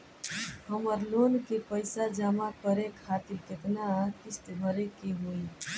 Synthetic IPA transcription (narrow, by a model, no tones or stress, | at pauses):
həməɾlonkepəɪsad͡ʒamakəɾekʰːat̪ilket̪nak̪ist̪ebʱəɾekeɦoi